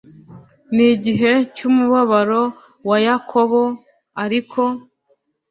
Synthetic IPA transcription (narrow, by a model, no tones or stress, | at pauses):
niɟiɦe̞cumuβaβaɾo̞ | wajakʰo̞βo | aɾikʰo̞